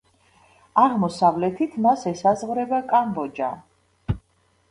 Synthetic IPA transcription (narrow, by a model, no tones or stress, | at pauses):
aʁmɔsavlɛt̪ʰit̪ʰmasɛsazʁvɾɛbakʼambɔd͡ʒa